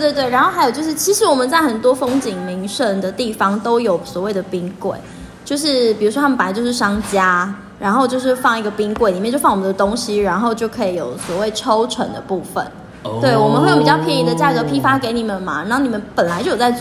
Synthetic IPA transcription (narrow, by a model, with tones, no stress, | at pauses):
t̪we˥˧ɪt̪we˥˩a˧˥nxo˥˩ʊxa˧˥jo˨˩t͡ɕjo˥˧ʊʂɻ̩˥˩t͡ɕʰi˧˥ʂɻ̩˧˥wɔ˨˩mə˨nt͡sa˥˩ɪxə˨˩nt̪wɔ˥fɤ˥ŋt͡ɕi˨˩ŋmi˧˥ŋʂə˥˩nd̪ə˩t̪i˥˩fɑ˧˥ŋt̪o˥ʊjo˨˩ʊswɔ˨˩we˥˩ɪd̪ə˩pi˦˥ŋkwe˥˩ɪ | t͡ɕjo˥˧ʊʂɻ̩˥˩pi˨˩ɻu˧˥ʂwɔ˥a˥˩˨pa˧˥t͡ɕjo˥˧ʊʂɻ̩˥˩ʂɑ˥ŋt͡ɕja˥ | ɻa˧˥nxo˥˧ʊt͡ɕjo˥˧ʊʂ̬ɻ̩˥˧fɑ˥˧ŋi˧˥ɡə˨˩pi˥ŋkwe˥˩ɪli˨˩mɛ˥˧t͡ɕo˥˧ɑ˥˩ŋwɔ˨˩mə˩nd̪ə˩t̪ʊ˥ŋɕi˨ɻa˧˥nxo˥˧ʊt͡ɕjo˥˩ʊkʰɤ˧˥i˨˧˥jo̰˨˩ʊswɔ˨˦we˥˩ɪʈ͡ʂʰo˥ʊʈ͡ʂʰə̰˨˩˦nd̪ə̰˨˦pu˥˩fə̰˩˦n | t̪we˥˩ɪwɔ˨˩mə˨nxe˥˩ɪjpi˨˩t͡ɕɑ˥˧ʊpʰjɛ˧˥ni˧˥d̪ə˧t͡ɕja˥˩kɤ˧˦pʰi˥fa˥ke˧˥ɪni˨˩mə˨˩nmɐ̰˨na˥˩ni˨˩mə˦npə˨˩nla˨˧ɪt͡ɕjjo˨˩t͡sa˧ɪ